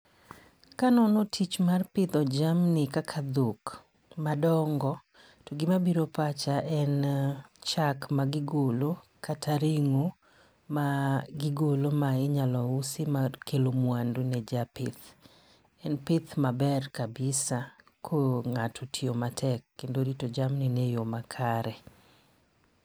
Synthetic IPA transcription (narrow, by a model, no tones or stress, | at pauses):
kanɔnɔtʰit͡ʃmarpɪd̪ɔd͡ʒamnɪkakʰad̪uk | madɔŋɡɔ | toɡɪmabiɾopat͡ʃaʔɛnt͡ʃakmaɡɪɡolokʰatʰaɾiŋo | maɡɪɡolomaɪɲalɔusimakʰelomwandunɛd͡ʒapɪ̰t̪ | ɛnpɪt̪mabɛrkabɪsa | kʰoŋatʰotʰiomatʰɛkːendoɾitod͡ʒamninɛjomakʰaɾɛ